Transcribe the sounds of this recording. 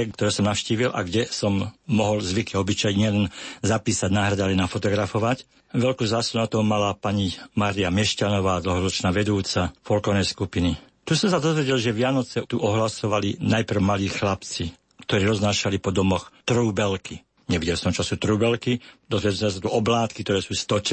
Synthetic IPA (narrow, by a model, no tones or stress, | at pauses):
kt̪ɔɾɛːsɔmnaʊʃciːʋilʔa̰ɡɟɛsɔmːɔɦɔlzʋikiɔbit͡ʃajɲɪɛlɛnzapiːsaɟnaːɦɾad̪alɛnafɔt̪ɔɡɾafɔʋac | ʋɛlkuːzaːsunat̪ɔmalapaɲimaɾiamɛʃcanɔʋaːd̪l̩ɦɔɾɔt͡ʃnaːʋɛd̪uːt͡safɔlkɔnɛjskupini | t̪usɔmsad̪ɔzʋɛɟɛlʒɛʋɪanɔt͡sɛt̪uʔɔɦlasɔʋalinajpr̩ʊmaliːxlapt͡si | kt̪ɔɾiːɾɔznaːʃalipɔd̪ɔmɔxt̪ɾuːbɛlki | ɲɛʋiɟɛlsɔmt͡ʃasut̪ɾuːbɛlkid̪ɔzʋɛɟɛlsɔmʒɛs̬at̪uʔɔblaːt̪kik̚t̪ɔɾɛːsuːst̪ɔt͡ʃ